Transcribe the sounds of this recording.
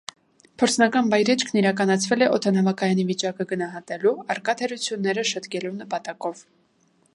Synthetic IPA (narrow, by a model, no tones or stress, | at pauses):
pʰɔɾt͡sʰnɑkɑnbɑjɾɛt͡ʃʰkʰniɾɑkɑnɑt͡sʰvɛlɛʔɔt̪ʰɑnɑvɑkɑjɑnivit͡ʃɑkəɡənɑɦɑt̪ɛluɑɾkɑt̪ʰɛɾut͡sʰjunːɛɾəʃəd̪kɛlunəpɑt̪ɑkɔv̥